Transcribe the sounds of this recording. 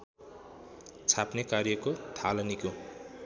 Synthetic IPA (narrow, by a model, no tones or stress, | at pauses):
t͡sʰapnekarjʌkot̪ʰalʌniko